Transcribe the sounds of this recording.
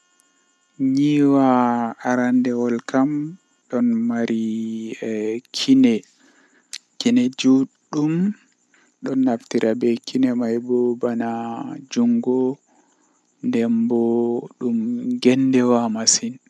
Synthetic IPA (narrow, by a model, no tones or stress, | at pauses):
ɲiwaːɾandɛwɔlkʰam | ɗɔnmaɾi | kʰinɛ | kinɛd͡ʒuɗːum | ɗɔnːaftiɾʔabɛkʰinɛmajbɔbanad͡ʒuŋɡɔ | ndɛmbɔɗumɡɛndɛwamasin